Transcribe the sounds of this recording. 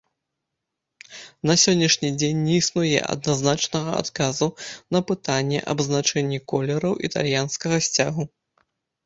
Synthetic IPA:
nɐsʲɔnʲːɐʂnʲid͡zʲenʲːɛisnujɛ̰ʔɐ̰d̪̚naznat͡ʂnɐɣɐa̰t̪kazunɐpɨt̪anʲːɛ̰ʔɐ̰bznat͡ʂɛnʲːikɔlʲɛɾɐwʔit̪a̰lʲjanskɐɣɐsʲt͡sʲaɣu

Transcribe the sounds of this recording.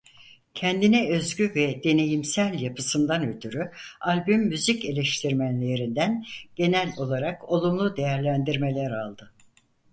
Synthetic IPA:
cʰɛnd̪inɛø̞zɟyvɛd̪e̞ne̞jimsælʲjapʰɯsɯnd̪anøt̪ʰyɾyalʲbymːyzice̞lʲɛʃt̪ʰiɾmænlʲeɾind̪ænɟ̥e̞nælʲo̞lˠaɾako̞lˠumlˠud̪e̞jæɾlʲænd̪iɾme̞lʲæɾalˠd̪ɯ

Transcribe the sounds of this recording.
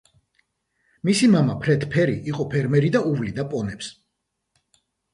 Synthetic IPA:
misimamapʰɾɛt̪ʰpʰɛɾiʔiqʼɔpʰɛɾmɛɾid̪auvlid̪apʼɔnɛps

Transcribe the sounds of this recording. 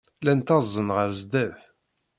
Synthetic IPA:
lænt̪ɑzˤːənʁəɾzd̪æθ

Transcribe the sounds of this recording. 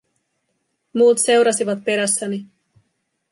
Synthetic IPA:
muːt̪se̞wɾɑsiʋɑt̪̚pe̞ɾæsːæni

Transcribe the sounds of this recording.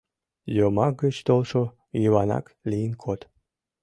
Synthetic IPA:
jomɑk̚ɡət͡ɕt̪olʃo | jiβɑnɑ̰klijənkʰot̪

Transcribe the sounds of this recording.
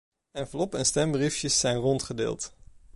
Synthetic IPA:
ɛnvlɔpɛnstɛmbrifjəsːɛjnrɔntχədɪ̰ːlˠt

